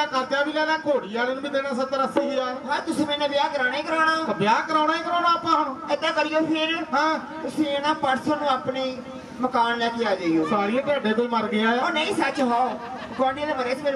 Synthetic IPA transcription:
akəɾt̪aːbiːlaːlãːkoːɽiːaːɾənbiːkeːnãːsət̪ːəɾəseːiaːɦãːt̪ʊsĩːmẽːnẽːbɪjaːkəɾaːnẽiːkəɾaːɽaːbjaːkəɾaːnaːekəɾaːnãːəpãːɦmet̪ãːkəɾɪjoːpʰɪɾɦãː | t̪ʊsĩːenãːpəɾsənnũːaːpniː | məkaːnlɛːkejaːd͡ʒaːijoːsaːɾĩːpaːɖeːt̪õːməɾɡɪjãːoːnəĩːsət͡ʃɦaːo | kaːnẽd̪eːbəɾeːt͡ʃmeː

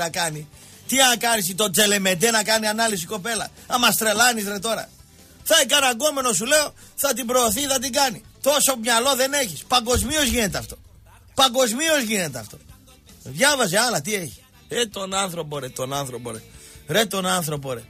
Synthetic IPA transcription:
ɐkɐni | t̪iɐkɐnisit̪o̞d͡ze̞le̞me̞d̪enɐkɐnianɐlisiko̞pe̞lɐ̰ɐmɐst̪ɾe̞lɐnizɾet̪o̞ɾɐ̰ | θɐekɐnaɡo̞me̞no̞s̬ule̞o | θɐt̪̬ibɾoːθiθɐt̪̬iɡɐni | t̪o̞so̞mɲalo̞ðe̞ne̞çispɐŋɡo̞zmio̞zʝine̞t̪eɐft̪o̞̥ | pɐŋɡo̞zmio̞zʝine̞t̪eɐ̰ft̪o̞ | ðʝɐvɐzeɐlɐt̪̬ieçi̥ | ɾet̪o̞nɐnθɾo̞poɾet̪onɐnθɾo̞po̰ɾeɾet̪o̞nɐnθɾo̞p̬oɾḛ

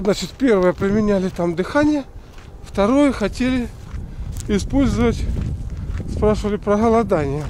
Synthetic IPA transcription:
znat͡ɕɪt̪pʲe̞rvəjəpɾʲɪmʲɪnʲælʲɪt̪amd̪ɨxanʲɪjə | ft̪ɐɾo̞jəxɐtʲelʲɪ | ɪspo̞lʲzəvətʲ | spɾaʂɨvəlʲɪpɾəɦəlˠɐd̪anʲɪjə

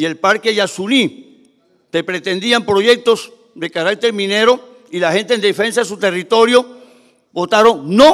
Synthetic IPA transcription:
ie̞lpaɾkeʝasuni | t̪e̞pɾe̞t̪e̞nd̪iampɾo̞ʝe̞k̚t̪o̞s | ðekaɾak̚t̪e̞ɾmĩne̞ɾo̞ | ilahe̞nt̪end̪efe̞nsaðes̬ut̪e̞rit̪o̞ɾjo̞ | bo̞t̪aɾo̞ŋno

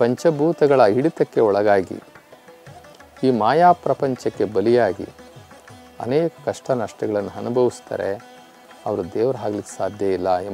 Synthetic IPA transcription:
pɐɲt͡ʃɐbʱuːt̪ɐɡɐɭɐiɽit̪ɐkːe̞ɔɭɐɡaːɡḭ | iːmaːjaːpɾɐpɐɲt͡ʃɐkːe̞bɐlijaːɡḭ | ɐ̰neːkɐ̥kɐʂʈɐnɐʂʈɐɡɐɭɐnːuɦɐnubʱɐʋist̪ɐ̰ːɾe | ɐʋɐɾud̪ɛːʋɐɾɐɦaːɡɐlikːe̥saːd̪ʱjɐilːɐe

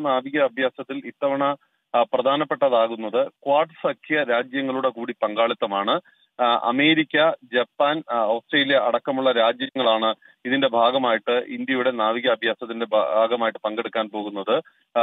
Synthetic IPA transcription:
naːʋiɣɐːbʱjaːsɐt̪ːilit̪ːɐʋɐɳɐ | prɐd̪ʱaːnɐpːe̞ʈːɐðaːɣunːɐðɨkwaːrʈɨsɐkʰijɐɾaːd͡ʑjɐŋːɐɭuɽe̞kuːɽipɐŋɡaːɭit̪ːɐmaːɳɨ | ɐ̰me̞ːɾikʲːɐd͡ʑɐpːaːnɐwsʈreːlijɐʔɐɽɐkːɐmuɭːɐɾaːd͡ʑjɐŋːɐɭaːɳɨ | iðinde̞bʱaːɡɐmaːjiʈːɨʔind̪jɐjuɽe̞naːʋiɣɐːbʱjaːsɐt̪ːinde̞baːɡɐmaːjiʈːɨ̥pɐŋɡeɽukːaːnpo̞ːɣunːɐðɨ

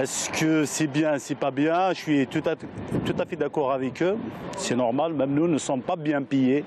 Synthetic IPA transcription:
ɛskəsibjɛ̃sipabjɛ̃ʃɥit̪ut̪at̪ut̪afɛd̪akɔʁavɛkøsɛnɔʁmalmɛmnunəsɔ̃pabjɛ̃pije

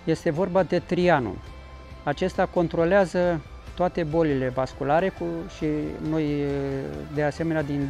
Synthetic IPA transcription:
je̞st̪e̞vo̞rbad̪e̞t̪ɾianṵ | at͡ʃe̞st̪ako̞nt̪ɾo̞leazə | t̪oat̪e̞bo̞lile̞vaskulaɾe̞kuʃino̞j | d̪ease̞me̞nead̪in

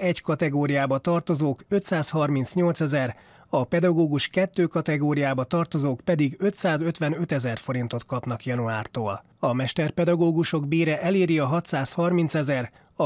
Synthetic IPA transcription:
ɛɟkɒt̪ɛɡoːɾijaːbɒt̪ɒrt̪ozoːkø̞t̪saːshɒrminsɲo̞lt̪sɛzɛr | ɒpɛd̪ɒɡoːɡuʃkɛt̪ːøːkɒt̪ɛɡoːɾijaːbɒt̪ɒrt̪o̞zoːkpɛd̪iɡø̞t̪saːzø̞t̪ʋɛnø̞t̪ɛzɛrfo̞ɾint̪o̞t̪kɒpnɒkjɒnuaːrt̪o̰ːl | ɒmɛʃt̪ɛrpɛd̪ɒɡoːɡuʃo̞ɡbeːɾɛʔɛleːɾiɒɦɒt̪saːshɒrmint̪sɛzɛr | ɒ

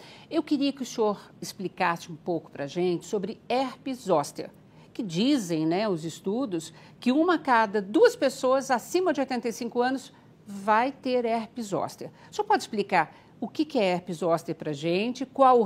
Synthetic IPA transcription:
ewkɪɾiɐkɪʊsioɾɪsplikasɪũpowkʊ̥pɾɐʒẽnt͡ʃɪ̥sobɾɪɛɾpɪzɔst̪ḛɾ | kɪd͡ʒizẽj̃nɛʊzɪst̪ud̪ʊs | kɪũmɐkad̪ɐd̪uɐspesoɐzasĩmɐd͡ʒɪojt̪ẽnt̪ejsĩkʊɐ̃nʊs | vajt̪eɾɛhpɪzɔ̰st̪eɾʊ̥soɾpɔd͡ʒɪsplikaɾ | ʊkɪkɪɛɛɾpizɔst̪eɾpɾɐʒẽnt͡ʃɪkwaw

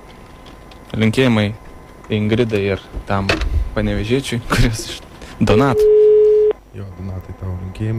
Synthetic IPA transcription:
lʲɪŋʲkʲeːjɪmɐɪ | ɪŋɡɾʲɪd̪ɐɪɪɾt̪ɐmpɐnʲɛʋʲɛʒʲiɛt͡ʃʲʊɪkʊɾʲiɔsɪʃ | d̪onɑːt̪o | joːd̪onɑːt̪ɐɪt̪ɑːʋlʲɪŋʲkʲeːjɪm

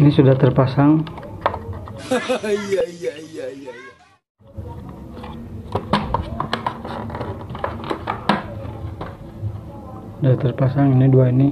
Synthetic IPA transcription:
inisudaht̪ərpasaŋ | ijaijaijaijaia | sudaht̪ərpasaŋiniduaini

